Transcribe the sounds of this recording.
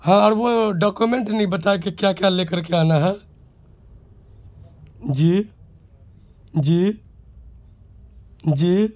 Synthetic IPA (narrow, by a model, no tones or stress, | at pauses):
hãɔːɾʋoɖɔːkumẽɳʈnɦĩbət̪̬aek̬ikjakjaleːkəɾkeaːnaɦɛ | d͡ʒiː | d͡ʒiː | d͡ʒiː